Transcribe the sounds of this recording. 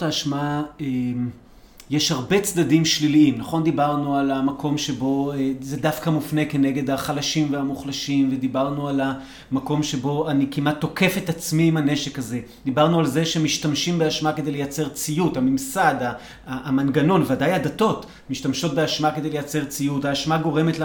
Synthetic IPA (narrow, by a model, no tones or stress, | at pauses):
taːʃmaem | jeʃhaʁbe̞t͡sd̪adimʃliliimnaχo̞nd̪ibaʁnualamako̞mʃe̞bo̞ezed̪afkamufne̞ke̞ne̞ɡe̞d̪aχalaʃimveamuχlaʃimved̪ibaʁnuala | mako̞mʃe̞bo̞anikimat̪ːo̞ke̞fe̞t̪at͡smiːmane̞ʃekaze̞ | d̪ibaʁnualze̞ʃemiʃtamʃimbeaʃmake̞d̪ejlejat͡se̞ʁt͡sijutamimsad̪aː | manɡano̞nvadajadato̞t | miʃtamʃo̞t̚beaʃmake̞d̪ejlejat͡se̞ʁt͡sijutaːʃmaɡo̞ʁe̞metl